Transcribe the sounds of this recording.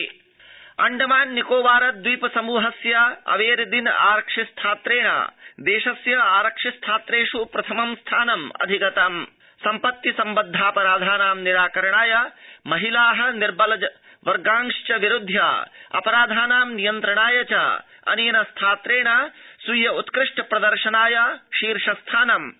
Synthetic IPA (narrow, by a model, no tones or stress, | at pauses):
ɐ̰ɳɖɐmaːnːikoːʋaːɾɐt̪̚d̪ujpɐsɐmuːɦɐsjɐɐ̰ʋeːɾɐd̪ina̰ːɾɐkʂist̪ʰaːt̪ɾeːɳa̰ːd̪eːʂɐsjɐaːɾɐkʂist̪ʰaːt̪ɾeːʂupɾɐt̪ʰɐmɐmst̪ʰaːnɐmɐ̰d̪ʱikɐt̪am | sɐmpɐt̪ːisɐmbɐd̪ʱːaːpɐɾaːd̪ʱaːnaːmniɾaːkɐɾɐɳaːjɐmɐɦilaːɦɐ̆niɾbɐlɐd͡ʒɐ | ʋɐɾɡaːŋʂt͡ʃɐʋiɾud̪ʱːja̰ːɐ̰pɐɾaːd̪ʱaːnaːmnijɐnt̪ɾɐɳaːjɐt͡ʃa̰ː | ɐ̰nijɐnɐst̪ʰaːt̪ɾeːɳasujɐut̪kɾɪʂʈɐpɾɐd̪ɐɾʃɐnaːjɐʃiːɾʂɐst̪ʰaːnɐm